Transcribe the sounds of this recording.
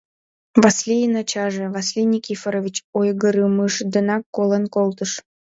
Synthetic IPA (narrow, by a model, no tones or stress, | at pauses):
vɑslʲijnɑt͡ɕɑʒĕvɑslʲinʲikʲifəɾovʲit͡ɕojɣəɾɨmɯʃd̪ənɑkːolənkolˠt̪əʃ